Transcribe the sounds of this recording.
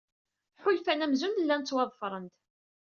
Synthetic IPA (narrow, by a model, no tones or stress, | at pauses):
ħʊlfænæmzund̪əlːænt͡sːwɑðˤfɾˤənt̪